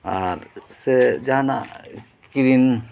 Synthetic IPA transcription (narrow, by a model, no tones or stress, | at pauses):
aɾsɛd͡ʒana̰ | kiɾin